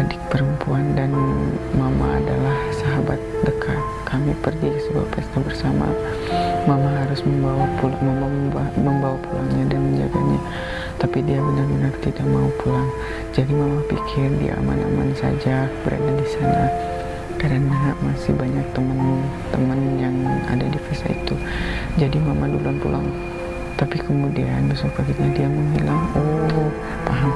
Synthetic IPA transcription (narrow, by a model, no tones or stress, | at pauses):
adɪk̚pəɾəmpuandanmama̰a̰dalahsaɦabat̪̚dəkʰat̪̚kʰamipərɡiəsəba̰pɛst̪abərsama̰ | mamaɦaɾʊsməmbawapuməaməmbawapula̰ŋɲadanməɲd͡ʒa̰ɡa̰ɲa | t̪apidiabənərmənart̪idaʔmaupʰulaŋ | d͡ʒadimamapikʰɪrdḭʔa̰ma̰na̰ma̰nsa̰d͡ʒab̥əɾa̰dadisana̰ | kaɾənamasɪhbaɲak̚t̪əmənt̪əmənjaŋa̰dadifisa̰ḭt̪u | d͡ʒadimamadulanpṵla̰ŋ | t̪apikəmudia̰nbasʊk̚paɡɪt̪̚ɲadiaməmbilaŋɔ | paɦaŋ